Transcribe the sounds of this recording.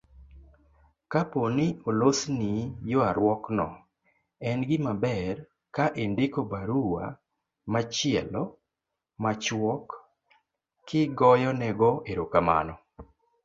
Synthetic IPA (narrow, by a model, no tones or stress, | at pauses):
kaponɪolosnijoaɾwɔknɔ̰ | ɛnɡɪmabɛɾ | kaʔendɪkobaɾuwa̰ | mat͡ʃɪɛlɔ | mat͡ʃwɔk | kːɪɡɔjɔnɛɡɔʔeɾokama̰nɔ